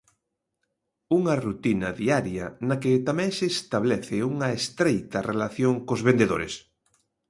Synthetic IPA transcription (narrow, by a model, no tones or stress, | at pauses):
uŋɐrut̪inɐðiaɾjɐ̰nɐkɪt̪amɛ̃ŋseːst̪aβ̞lɛθɪuŋɐest̪ɾejt̪ɐrelaθjoŋkozβend̪eðo̰ɾḛs